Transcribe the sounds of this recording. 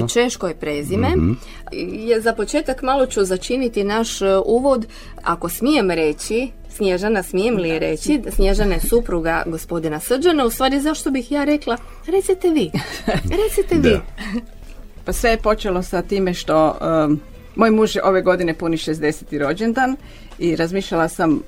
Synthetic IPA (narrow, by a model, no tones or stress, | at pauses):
t͡ʃe̞ʃkojpɾe̞ːzime̞ | jezapo̞t͡ʃeːt̪akmalˠo̞t͡ɕuzat͡ʃinit̪inaʃuːʋo̞d̪ | a̰ko̞smije̞mɾe̞t͡ɕi | snʲjeʒanasmijemlieɾe̞t͡ɕisnʲjeʒanajesupɾuɡa̰ɡo̞spo̞d̪inasr̩d͡ʒanaust̪ʋaːɾizaʃt̪o̞bixjaːɾe̞klˠa | ɾe̞t̪sit̪eʋiːɾet̪sit̪eʋiː | pasʋejepo̞t͡ʃelo̞sat̪iːme̞ʃt̪o̞ | moːjmuːʒjeʔo̞ʋeɡo̞d̪inepuniʃezd̪e̞set̪iɾo̞d͡ʑend̪an | iɾazmiːʃʎalˠasam